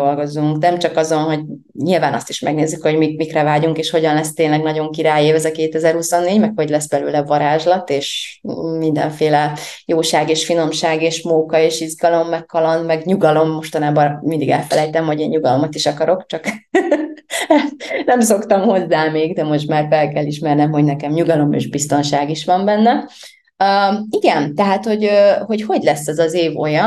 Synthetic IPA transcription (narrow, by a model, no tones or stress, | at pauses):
olɡo̞zuŋknɛmt͡ʃɒkɒzo̞nɦo̞ɟ | ɲilvaːnɒ̰st̪iʃmɛ̰ɡneːzːykho̞ɟmimikrɛvaːɟuŋkeːʃho̞ɟɒnlɛst̪eːnlɛɡnɒɟo̞ŋkiɾaːjeːvɛzɛkeːt̪ɛzɛrhusonːeːɟmɛkho̞ɟlɛsbɛløːlɛvɒɾaːʒlɒt̪eːʃmind̪ɛ̰ɱfeːlɛjoːʃaːɡeːʃfino̞mʃaːɡeːʃmoːkɒeːʃizɡɒlo̞mːɛkːɒlɒnmɛɡɲuɡɒlo̞mːo̞ʃt̪ɒnaːbɒmind̪iɡɛ̰lfɛlɛjt̪ɛmho̞ɟeːɲɲuɡɒlo̞mɒt̪iʃɒkɒɾo̞kt͡ʃɒk | nɛmso̞kt̪ɒmho̞zːaːmeːɡd̪ɛmo̞ʃt̪maːrfɛlkɛlːiʃmɛrnɛmɦo̞ɟnɛkɛmɲuɡɒlo̞mḛːʒbist̪o̞nʃaːɡiʃʋɒmbɛnːɛ | iɡɛnt̪ɛɦaːt̪ho̞ɟho̞cho̞ɟlɛsːɛzɒzeːvo̞̰jɒ